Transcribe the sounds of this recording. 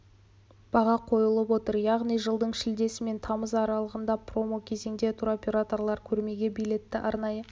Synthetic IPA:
b̥ɑʁɑqʰo̞jəlˠəp̬wo̞t̪əɾjɑʁnijʒəlˠd̪əɴʃɪld̪e̞sɪme̞nt̪ʰɑməzɑɾɑlˠəʁənd̪ɑpʰro̞mo̞kʲʰe̞ze̞ŋd̪e̞t̪ʰuɾo̞pʲe̞ɾat̪o̞rlˠɑɾkʲʰɵɾme̞ɡʲe̞bijle̞t̪ːɪʔɑɾnɑjə

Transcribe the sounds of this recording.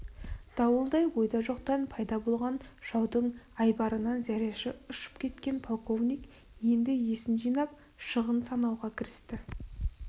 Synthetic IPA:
d̪̥ɑwəlˠd̪ɑjwo̞jd̪ɑʒo̞qt̪ɑnpʰɑjd̪ɑbo̞lˠʁɑnʒ̥ɑwd̪əɴɑjbɑɾənɑnzæɾeʃɪʊʃə̥pkʲʰe̞t̪kʲe̞npʰo̞lˠko̞vnʲijk | je̞nd̪ɪje̞sɪnʒijnɑp̚ | ʃəʁənsɑnɑwʁɑkʲʰɪɾɪst̪ɪ

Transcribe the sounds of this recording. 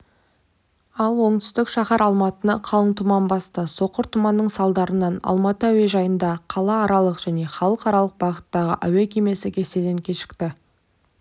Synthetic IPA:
ɑlˠwo̞ɴt̪ʏ̥st̪ɪkʃɑχɑɾɑlˠmɑt̪ənɑqʰɑlˠəɴt̪ʰʊmɑnbɑst̪əso̞qːəɾt̪ʰʊmɑnːəɴsɑlˠd̪ɑɾənɑnɑ̰lˠmɑt̪əæwe̞ʒɑjənd̪ɑqʰɑlˠɑːɾɑlˠəqʒ̥æne̞χɑlˠəqɑɾɑlˠəq̚bɑʁət̪ːɑʁə̰ʔæwekʲʰeme̞sɪkʲʰe̞se̞d̪eŋkʲʰe̞ʃɪ̥kt̪ɪ

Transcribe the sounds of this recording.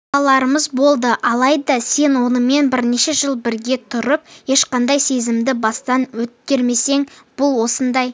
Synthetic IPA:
ɑlˠɑɾəməzbo̞lˠd̪əʔɑlˠɑjd̪ɑse̞nwo̞nəme̞nbɪɾne̞ʃe̞ʒəlˠbɪɾɡʲe̞t̪ʰʊɾəp̚je̞ʃqɑnd̪ɑjse̞zɪmd̪ɪbɑst̪ɑnwɵt̪̚kʲe̞ɾme̞se̞ŋb̥ʊlˠwo̞sənd̪ɑj

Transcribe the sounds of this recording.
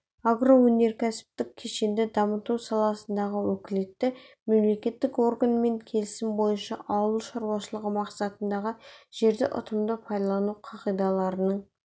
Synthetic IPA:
ɑɡro̞wɵne̞ɾkʲʰæsɪ̥p̚t̪ɪkʲʰe̞ʃe̞nd̪ɪd̪ɑmət̪usɑlˠɑsənd̪ɑʁəwɵkʲɪle̞t̪ːɪme̞mle̞kʲe̞t̪ːɪko̞rɡanme̞ŋkʲʰe̞lɪsɪmbo̞jənʃɑʔɑwəlˠʃɑɾwɑʃəlˠəʁəmɑqsɑt̪ənd̪ɑʁəʒ̥e̞ɾd̪ɪʔʊ̰t̪ʰəmd̪əpʰɑjd̪ɑlˠɑnuqʰɑqijd̪ɑlˠɑɾənəɴ

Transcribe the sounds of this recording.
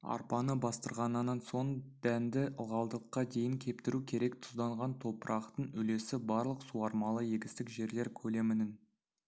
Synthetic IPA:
ɑ̰ɾpɑnəbɑst̪əɾʁɑnənːɑnso̞ɴd̪̥ænd̪ɪʔəlˠʁɑlˠd̪əqːɑd̪e̞jɪŋkʲʰe̞pt̪ɪɾukʲʰe̞ɾe̞kt̪ʰʊ̥zd̪ɑɴʁɑnt̪ʰo̞pəɾʔɑqt̪əɴʏle̞sɪbɑɾlˠəqsuɑɾmɑlˠəjeɡʲɪst̪ɪkʒe̞ɾle̞ɾkʲʰɵle̞mɪnɪŋ

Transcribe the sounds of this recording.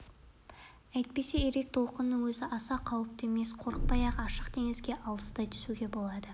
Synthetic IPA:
æjt̪̚pe̞se̞eɾe̞k̚t̪ʰo̞lˠqənːəŋwɵzɪʔɑsɑqʰɑwəp̚t̪eme̞sqʰo̞ɾəq̚pɑjɑqɑʃəqt̪ʰe̞ŋɪzɡʲe̞ʔɑlˠəsd̪ɑjt̪ʰʏ̥suɡʲe̞bo̞lˠɑd̪ə

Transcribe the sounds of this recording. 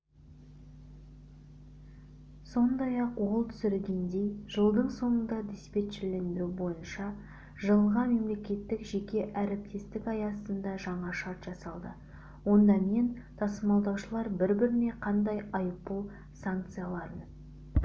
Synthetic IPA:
so̞nd̪ɑjɑqwo̞lˠt̪ʰʏ̥sɪɾɪlɡʲe̞nd̪e̞jʒəlˠd̪əɴso̞ɴənd̪ɑd̪espe̞t̪ʃɪɾle̞nd̪ɪɾubo̞jənʃɑ | ʒəlˠəʁɑme̞mle̞kʲe̞t̪ːɪkʒe̞kʲe̞ʔæɾɪp̚t̪ʰe̞st̪ɪkɑjɑsənd̪ɑʒɑɴɑʃɑɾt̪ʒ̥ɑsɑlˠd̪ə | wo̞nd̪ɑme̞nt̪ʰɑsəmɑlˠd̪ɑwʃəlˠɑɾbɪɾbɪɾɪne̞qʰɑnd̪ɑjɑjpːu | saŋkt̪sɨjalˠɑɾən

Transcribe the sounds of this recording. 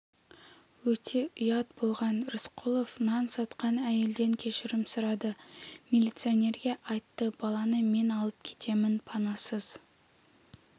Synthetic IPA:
wɵt̪ʰe̞ʔijɑt̪̚bo̞lˠʁɑnɾɪsqʰulˠofnɑmsɑt̪qɑnæje̞ld̪e̞ŋkʲʰe̞ʃɪɾɪmsʊɾɑd̪əmilʲit̪sɨonʲe̞ɾɡʲe̞ʔɑjt̪ːəbɑlˠɑnəme̞nɑlˠəp̚kʲʰe̞̥t̪ʰe̞mɪnpʰɑnɑsəz

